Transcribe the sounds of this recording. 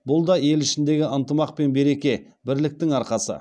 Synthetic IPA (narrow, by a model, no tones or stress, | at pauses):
bʊlˠd̪ɑje̞lɪʃɪnd̪e̞ɡʲɪənt̪əmɑq̚pe̞nbe̞ɾe̞kʲe̞ | bɪɾlɪk̚t̪ɪŋɑɾqɑsə̰